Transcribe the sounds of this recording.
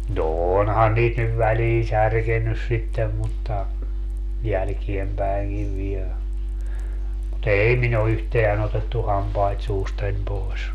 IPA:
no onhɑn niːt nyʋ ʋæliːn særkenːys sitːem mutːɑ jælkiempæiŋkiʋ ʋiel mut ei min o yhteæn otetːu hɑmpɑit suːstɑnʲ poes

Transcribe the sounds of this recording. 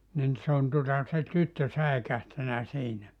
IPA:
nin se on tuŏtɑ se tytːø sæekæhtænæ siːnæ

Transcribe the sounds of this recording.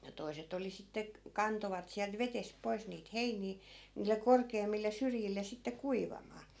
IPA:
toi̯set oli sitːe k kɑntoʋɑt siælt ʋetesp̆ poi̯s niːt heiniː niːlːe korkeːmːilˑe syrjilˑe sitːe kuiʋɑmɑː

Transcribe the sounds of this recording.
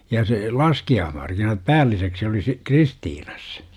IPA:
jɑ se lɑskiɑːhmɑrkinɑt pæːlːiseksi oli si kristiːn̥ɑ̥s

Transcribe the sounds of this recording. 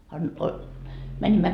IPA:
ɑ niː o mænimːæ

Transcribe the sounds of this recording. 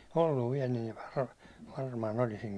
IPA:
olːuʋ ʋiɛl niːʋ ʋɑr ʋɑrmɑːn olisiŋ

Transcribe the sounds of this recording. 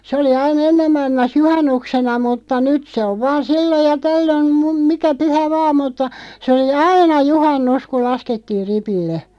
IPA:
se oli ɑin enːem mɑilmɑs juhɑnːuksenɑ mutːɑ nyt se oʋ ʋɑːn̞ silːoj jɑ tælːøn mum mikæ pyhæ ʋɑː mutːɑ se oli ɑinɑ juhɑnːus kul̆ lɑsketːiːr̆ ripilːe

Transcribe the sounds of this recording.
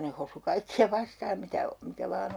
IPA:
ne hosu kɑikːiɑ ʋɑstɑːm mitæ mikæ ʋɑːn

